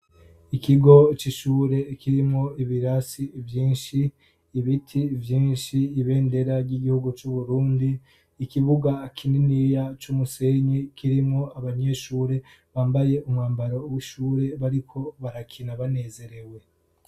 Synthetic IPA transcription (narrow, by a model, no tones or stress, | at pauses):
ikiɡo̞t͡ʃiʃuːɾe̞kiɾimŋoiβiɾasivjiːnʃiː | βitʰivjiːnʃiːβe̞ːnde̞ɾaɾɟiɟihuɡut͡ʃuβuɾuːndiː | kiβuɡakʰininijat͡ʃumuse̞ɲikiɾimŋoaβaɲe̞ʃuːɾe̞ | βaːmbaje̞ʔumŋaːmbaɾo̞wiʃuːɾe̞βaɾikʰo̞βaɾakʰinaβane̞ːze̞ɾe̞we̞